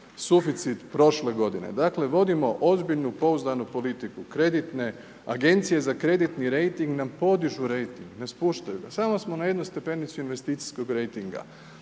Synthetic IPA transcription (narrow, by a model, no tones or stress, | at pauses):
sufit̪sit̪pɾo̞ʃle̞ɡo̞d̪inḛd̪akle̞ʋo̞d̪imo̞ʔo̞zbiʎnupo̞uzd̪anupo̞lit̪ikukɾe̞d̪it̪ne̞ | a̰ɡe̞nt̪sije̞zakɾe̞d̪it̪niɾe̞jt̪iŋɡnampo̞d̪iʒuɾe̞jt̪iŋɡne̞spuːʃt̪ajuɡasamo̞smo̞naje̞d̪nust̪e̞pe̞nit̪suinʋe̞st̪iːt̪si̥sko̞ɡɾe̞jt̪iŋɡa̰